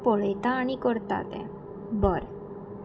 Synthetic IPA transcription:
polejt̪aːnikoɾt̪a̰t̪ɛ̰ | bɔɾ

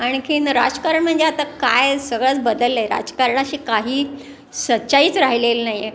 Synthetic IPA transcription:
aɽ̃ikʰinɾa̰d͡zkaɾəɳm̤əɳd͡zeat̪akajsəɡɭat͡sbəd̪əlːəjɾa̰d͡zkaɾəɳaɕiːkaɦiː | sətːɕaiːt͡sɾaɦilelnaɦijːe

